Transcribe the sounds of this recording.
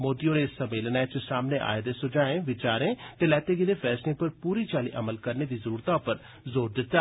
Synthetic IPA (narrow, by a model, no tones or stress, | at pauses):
moːd̪ijõːneːssəmeːlnaːt͡ʃsaːmneːʔa̰ːed̪eːsʊd͡ʒaːẽːʋɪt͡ʃaːɾẽːt̪eːlɛːt̪eːɡid̪eːpʰɛːslɪ̃ŋpəɾpuːɾiːt͡ʃaːlḭːʔəməlkəɾneːd̪iːzəɾuːɾt̪aːʊpəɾ | zoːɾd̪ɪt̪ːaː